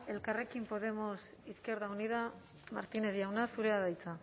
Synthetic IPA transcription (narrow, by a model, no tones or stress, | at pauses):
e̞lkare̞kimpo̞ð̞e̞mo̞s | iske̞ɾðauniða | ma̰ɾt̪ine̞zjawnasuɾeaðajt͡sa